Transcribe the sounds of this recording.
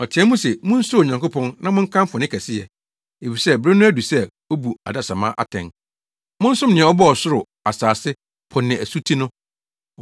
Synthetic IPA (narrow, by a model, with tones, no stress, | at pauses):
ɔ˨tʰɪ˨ɛ˦mũ˦sɛ˨mʊ̃˦n̩˦su˦˨ɲã˨ŋkʊ˦pʰɔ̃˦nnã˦mʊ̃˦ŋ̩˦kʰã˦m˦fʊ˨nɪ̃˦kʰæ˨sɪ˦jɛ̰˨ | e˨fi˨sɛ˦bɾɪ˦nʊ̃˦æ˦du˨sɛ˦ | o˦bu˨a̰˨da˨sa˨mãː˦ʔa̰˨tʰɛ̰̃˨n | mʊ̃˦n̩˦sʊ̃˦mnɪ̃˨ɛ̃˨˦ɔ˦bɔ˦ɔ˨sʊ˦ɾʊ˨ | a˨saː˨sɪ˦ | pʰɔ̃˨nːɪ̃˨æ˨su˦tʰi˦nʊ̃˦